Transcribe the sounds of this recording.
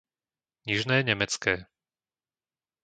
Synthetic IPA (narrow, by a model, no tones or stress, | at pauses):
ɲiʒnɛːɲɛmɛt͡skɛː